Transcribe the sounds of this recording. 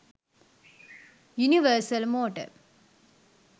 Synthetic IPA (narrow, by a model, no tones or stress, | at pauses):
juniʋəɾsɐlmoːʈɐ̰ɾ